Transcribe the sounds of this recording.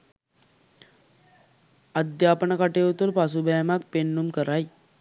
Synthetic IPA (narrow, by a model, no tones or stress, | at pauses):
ad̪jaːpənəkaʈeut̪ulpasubajamak̚penːumkəɾaj